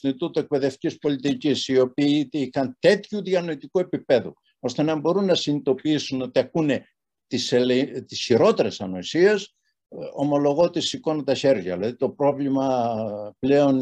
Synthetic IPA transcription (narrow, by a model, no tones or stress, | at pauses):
sinit̪ut̪ue̞k̚pe̞ðeft̪icispo̞lit̪icisio̞piːixɐnt̪e̞t̪çuðiɐno̞it̪ikue̞pipe̞ðṵ | o̞st̪e̞nɐmbo̞ɾunːɐsinit̪o̞piisuno̞t̪iɐkune̞ | t̪iselet̪isçiɾo̞t̪e̞ɾe̞sɐno̞isies | o̞mo̞lo̞ɣo̞t̪isiko̞nɐt̪ɐçe̞ɾʝɐ̰ilɐðit̪o̞pɾo̞vlimɐpleo̞n